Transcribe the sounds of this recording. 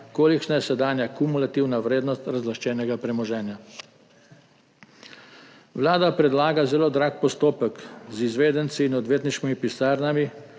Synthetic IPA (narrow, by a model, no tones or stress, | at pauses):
koːlikʃnajɛsɛd̪aːnjakumulat̪iwnaʋɾeːd̪nɔst̪ɾazlaʃt͡ʃɛːnɛɡapɾɛmɔʒɛːnja | ʋlaːd̪apɾɛd̪laːɡazɛloːd̪ɾaːkpɔst̪oːpəkzizʋeːd̪ɛnt̪siːnɔd̪ʋeːt̪niʃkimipisaːɾnami